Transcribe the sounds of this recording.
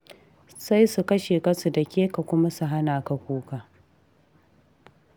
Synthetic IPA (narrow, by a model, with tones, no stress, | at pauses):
sa˦jsu˨kɐ˦ʃeː˨kɐ˦su˨dɐ˨kʲeː˦ka˨kʷʊ˦ma˦su˨ɦa˦naː˨ka˨kʷuː˦kaː˨